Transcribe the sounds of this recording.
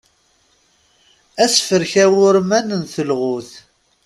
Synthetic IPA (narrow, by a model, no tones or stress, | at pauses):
æsfəɾçæwʊɾmænənθəlʁʊθ